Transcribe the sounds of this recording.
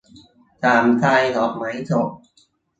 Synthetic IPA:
t̪ʰaː˨˩mt̪ʰaː˧jɦɔː˨˩p̚ma˨˩˦jt̪ʰo˨˩p̚

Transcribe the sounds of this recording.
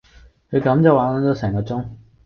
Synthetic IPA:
kʰɵ˨˧kɐ˨˥mt͡sɐ˨waː˨˥na˨˥t͡s̪o˨˧˥sɛː˨˩ŋkɔː˧t͡sʊ˥ŋ

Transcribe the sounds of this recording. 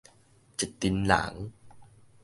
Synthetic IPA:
t͡ɕe˨˩t̚t̪i˧nla̰ː˩˦ŋ

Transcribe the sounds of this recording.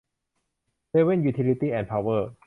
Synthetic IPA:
se˧we˥˨njuː˧t̪ʰi˧li˧t̪iː˥˩ʔɛ˧npʰa˧wɤː˥˩

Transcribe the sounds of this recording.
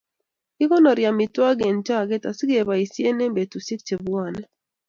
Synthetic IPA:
i˦kɔ˦nɔ˨ɾja˨mɪ˨twa˦ɡe˨nt͡ʃa˦˨ɡɛ˦ta˨si˦ɡe˨ba˨i˨sje˦ne˦mbe˨tu˨si˦k̚t͡ʃe˨bu˨˦a˨nɛ˦

